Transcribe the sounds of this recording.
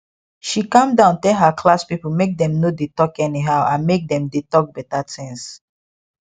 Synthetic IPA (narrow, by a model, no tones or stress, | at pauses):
ʃikãmdãʊ̃ntɛlɦakʰlaspipəmek̚dɛ̃mnodetɔkɛniɦaʊãnmek̚d̪ɛ̃mdetɔk̚bɛtatʰĩŋs